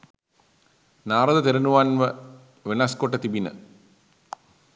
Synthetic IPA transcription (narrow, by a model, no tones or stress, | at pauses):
naːɾɐd̪ɐt̪eɾɐnuʋaːnʋɐ | ʋenaːskoʈːɐt̪ibinɐ̰